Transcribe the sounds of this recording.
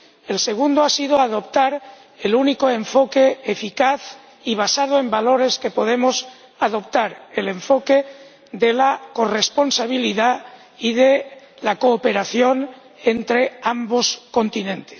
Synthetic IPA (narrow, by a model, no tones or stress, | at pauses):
e̞lse̞ɣ̞und̪oasið̞oaðo̞p̚t̪aɾ | eluniko̞e̞ɱfo̞keːfikaθ | iβ̞asað̞oe̞mbalo̞ɾe̞ske̞po̞ð̞e̞mos | aðo̞p̚t̪aɾele̞ɱfo̞ke̞ | ðe̞lako̞re̞spo̞nsaβ̞iliða | iðe | lakoːpe̞ɾaθjo̞n | e̞nt̪ɾe̞ambo̞sko̞nt̪inẽ̞nt̪es